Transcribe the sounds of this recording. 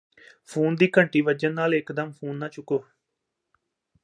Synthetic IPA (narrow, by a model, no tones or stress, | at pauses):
pʰuːnd̪iːkəɳʈiːʋəd͡ʒənːaːlɪkd̪əmpʰuːnːãːt͡ʃʊkoː